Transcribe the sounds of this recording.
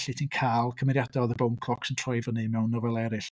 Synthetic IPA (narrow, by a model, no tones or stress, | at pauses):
ɬitʰiːnkʰaːlˠkʰəmɛɾjadɔðəbowmkʰl̥ˠɔksəntʰrɔjvənɨmɛwnɔvɛlˠɛɾɨɬ